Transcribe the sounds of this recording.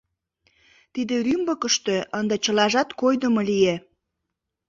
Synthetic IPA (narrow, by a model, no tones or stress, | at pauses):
t̪id̪erymbəkəʃt̪øənd̪et͡ɕəlɑʒɑt̪kojd̪əmolije